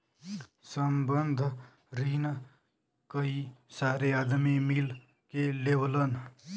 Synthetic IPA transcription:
səmbənd̪ʱ | ɾin | kəisaɾead̪mimil | keleblən

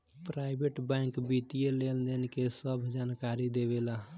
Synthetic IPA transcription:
pɾaɪbʱeʈbɛ̃ŋkbit̪ijeleld̪enkesəbʱd͡ʒaːnkaɾid̪ebela

